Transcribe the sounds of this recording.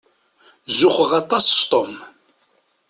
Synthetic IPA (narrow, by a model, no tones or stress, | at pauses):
zʊχəʁɑt̪ˤɑsst̪ˤom